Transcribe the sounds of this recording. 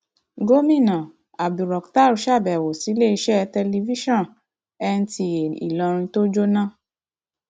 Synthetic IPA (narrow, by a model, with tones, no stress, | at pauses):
ɡo˦mĩ˦˨nã˨ | a˨bi˨ɾɔ˨kta˦˨ɾu˨˦ʃa˦˨bɛ˨wo˨si˨˦le˦˨i˧˦ʃɛ˦˧tɛ˧li˧vi˦ʃɔ̃˦˨ | ɛ˧n̩˦ti˧je˨ḭ˨lɔ˧ɾ̃ĩ˧to˦d͡ʒo˦nã˦˨